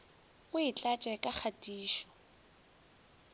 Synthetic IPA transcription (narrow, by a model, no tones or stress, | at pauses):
ʊɪt͡ɬʼat͡ʃʼɛkʼak͡xʰatʼiːʃɔ̥